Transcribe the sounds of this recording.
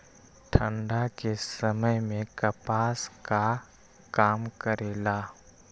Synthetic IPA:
ʈʰə̃ɳɖakesɐməjmẽkɐpaːska | kaːmkəɾeːlaː

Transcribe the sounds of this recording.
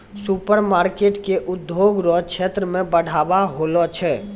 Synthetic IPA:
supəɾmaːɾkeːʈkeʔʊd̪joːɡɾɔkʃeːt̪ɾəmẽbəɽ̤ʱaːbaɦoːlɔt͡ʃʰɛː

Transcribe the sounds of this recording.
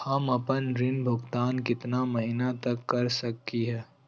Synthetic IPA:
hɐmɐpənɾɪnbʱʊɡt̪aːnkɪt̪namɐɦɪnat̪ɐkːɐɾsɐktiɦɛː

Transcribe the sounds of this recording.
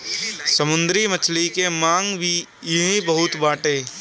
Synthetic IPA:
səmʊ̃nd̪ɾimət͡ʃʰlikemãːŋbʱi | jɐɦĩbəɦʊt̪baːʈeː

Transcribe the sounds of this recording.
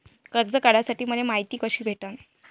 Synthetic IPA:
kəɾd͡zəkaɽ̤asaʈiːməlemaɦit̪iːkəɕiːbʱeʈən

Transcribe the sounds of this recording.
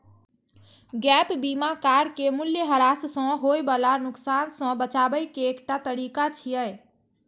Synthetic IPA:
ɡɛpbimakaɾkemuljəɦəɾassɔ̃ɦoebalanʊksansɔ̃bət͡ʃabəjkeːkʈat̪əɾikat͡ʃʰijəj

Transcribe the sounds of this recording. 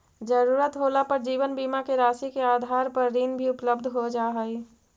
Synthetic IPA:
d͡ʒəɾuːɾət̪ɦoːlapəɾd͡ʒiːʋənbiːmakeɾaːsikeaːd̪ʱaːɾpəɾːiːnbʱiʊpləbd̪ʱɦod͡ʒaːɦəi

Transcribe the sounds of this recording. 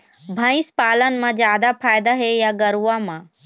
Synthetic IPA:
bʱə̃ɪ̃spaːlənmãd͡ʒjaːd̪apʰaːjd̪aɦejaɡəɾuãmãː

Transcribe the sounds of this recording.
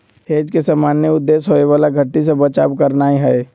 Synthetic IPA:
heːd͡ʒkesaːmaːnjəʊd̪ːeːsɦoeʋaːlaɡʱɐʈːis̬ebət͡ʃa̰ːʋkəɾnaːiɦɛː

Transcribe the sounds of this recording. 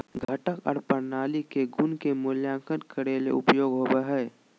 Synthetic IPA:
ɡʱəʈəkɔ̰ːɾpəɾnaːlikeɡʊnkemʊljãːŋkənkəɾeːlḛʊpjoːɡɦoːbeɦɛː

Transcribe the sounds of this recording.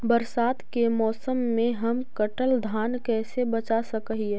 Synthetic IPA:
bəɾsaːt̪kemɔːsəmːẽɦɐmkəʈəld̪ʱaːnkɛːsebɐt͡ʃasəkɦiɛː

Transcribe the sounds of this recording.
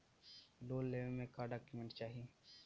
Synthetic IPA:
loːlːeːʋəlmẽkaːɖaːkjumẽɳʈt͡ʃaːɦie

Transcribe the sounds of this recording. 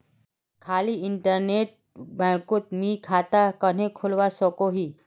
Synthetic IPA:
kʰaːliɪɳʈəɾneːʈ̚ | bɛ̃ːkʊt̪mĩkʰaːt̪akən̤ẽkʰʊlwasokoɦiː

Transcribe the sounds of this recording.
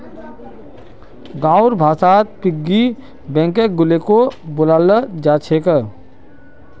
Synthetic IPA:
ɡãːɾbʱaːsaːt̪̚pɪɡːi | bɛ̃ːŋkek̚ɡʊlekobʊlaːləd͡ʒaːt͡ʃʰeːkəɾ

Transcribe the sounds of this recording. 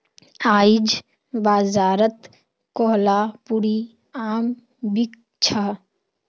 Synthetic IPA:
aːid͡ʒ | baːzaːɾət̪ | kɔɦlapuɾi | aːm | bik̚ | t͡ʃʰa

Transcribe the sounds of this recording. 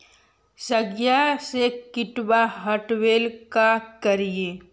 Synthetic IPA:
səɡjasekɪʈwaɦɐʈweːlkakɐɾieː

